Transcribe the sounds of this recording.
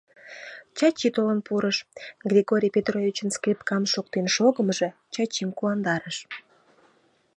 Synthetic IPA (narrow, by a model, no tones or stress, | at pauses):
t͡ɕɑt͡ɕit̪olənpuɾəʃɡrʲiɣoɾʲijpʲet̪rovʲit͡ɕənskrʲipkɑmʃok̚t̪enʃoɣəməʒĕ | t͡ɕɑt͡ɕimkuɑnd̪ɑɾəʃ